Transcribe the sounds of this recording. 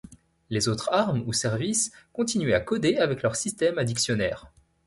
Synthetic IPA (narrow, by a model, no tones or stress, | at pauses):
lezot̪χaʁmusɛʁviskɔ̃t̪inɥɛakɔd̪eavɛklœʁsist̪ɛmad̪iksjɔnɛ̰ːʁ